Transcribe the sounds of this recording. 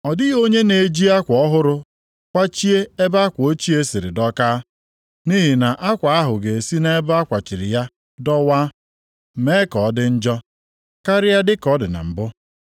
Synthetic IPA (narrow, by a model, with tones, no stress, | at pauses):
ɔ˨dɪ˦o˦ɲe˦ne˨d͡ʒi˦a˦kʷɔ˦ɦʊ˦ɾʊ˦ | kʷa˦t͡ʃi˦e˦e˦ba˦kʷo˦t͡ʃi˦e˦si˨ɾɪ̰˨dɔ˦kaː˦ | ni˦ɦi˨na˨ʔa˦kʷa˨a˦ɦʊ˨ɡe˨e˨si˦ne˦e˦ba˦kʷa˨t͡ʃi˨ɾɪ˨ja˦ | dɔ˦waː˦˨ | me˦kɔ˨˦dɪ˦n̩˦d͡ʒɔ˦ | ka˦ɾɪ˦ja˦dɪ˦kɔ˦dɪ̰˨na̰˨m̩˨bʊ˦